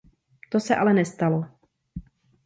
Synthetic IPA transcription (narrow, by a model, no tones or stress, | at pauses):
t̪osɛʔalɛnɛst̪alo